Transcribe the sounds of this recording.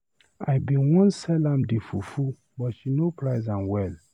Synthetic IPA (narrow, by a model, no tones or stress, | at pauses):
a̰jbĩnwɔ̃nsɛlãmdefufu | bɔtʃinopʰɹaɪzãnwɛl